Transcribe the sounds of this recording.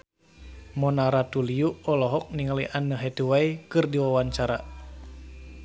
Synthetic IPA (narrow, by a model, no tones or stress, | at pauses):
mɔnaɾat̪uliuʔɔlɔɦɔk̚niŋəliʔanːəɦet̪uwaikɨrdiwawaɲt͡ʃaɾa̰